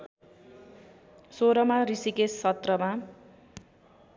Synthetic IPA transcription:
soɾʌmaɾisikesʌt̪rʌma

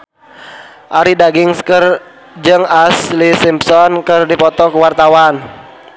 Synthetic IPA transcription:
ʔaɾidaɡɪŋskər | d͡ʒɨŋaslisimpsɔnkərdipɔt̪ɔkəwart̪awan

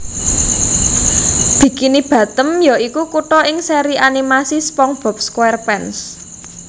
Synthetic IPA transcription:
b̥i̤kinib̥ä̤t̪əmjɔikukuʈɔʔɪŋseɾiʔanimasispɔŋb̥ɔ̤p̚skwɛrpɛns

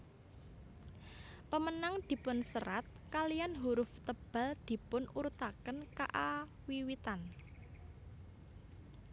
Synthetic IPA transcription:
pəmənaŋd̪̥i̤pʊnsəɾat̪̚kalijanɦuɾʊft̪əb̥a̤ld̪̥i̤pʊnuɾut̪akənka̰ʔa | wiwit̪an

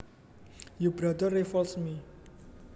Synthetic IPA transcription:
jubɾad̪ɔrefɔlsmi

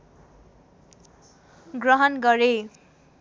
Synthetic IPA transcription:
ɡrʌɦʌnɡʌɾe

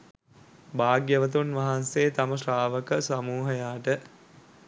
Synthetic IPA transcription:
baːɡjəʋət̪̬unʋaɦanseːt̪aməʃraːʋəkəsamuːɦəjaːʈə

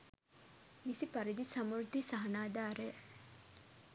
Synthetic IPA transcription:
misipɐɾid̪isɐmuɾt̪isɐɦɐnaːd̪aːɾe

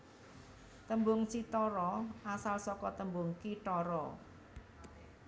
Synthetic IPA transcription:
t̪əmbʊŋt͡ʃit̪ɔɾɔʔasalsɔkɔt̪əmbʊŋkit̪ɔɾɔ

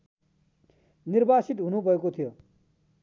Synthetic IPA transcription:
niɾbasit̪ɦunubʱʌekot̪ʰijo

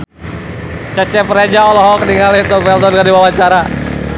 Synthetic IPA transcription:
t͡ʃɛt͡ʃɛpəɾad͡ʒaɔlɔɦɔkniŋalit̪ɔfɛlt̪ɔnkadiwawaɲt͡ʃaɾa

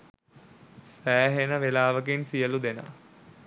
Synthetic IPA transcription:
sæːɦenəʋelaːʋək̬insijəlud̪enə̰

